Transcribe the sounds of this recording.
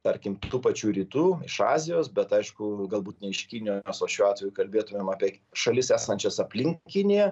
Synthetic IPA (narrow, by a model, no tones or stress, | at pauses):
t̪ɐɾʲkʲɪmt̪uːpɐt͡ʃʲuːɾʲiːt̪uːɪ̰ʃɑ̰ːzʲɪjoːsbʲɛt̪ɐɪʃkʊɡɐlˠbuːt̪nʲɛɪʃkʲiːnʲɪjoːmʲɛsoːʃʲuːɑːt̪ʲʋʲɛjuːkɐlʲbʲeːt̪ʊmʲeːmɑːpʲiɛʃɐlʲɪsæːsɐnʲt͡ʃʲɛsɐpʲlʲɪŋʲkʲɪnʲijɛ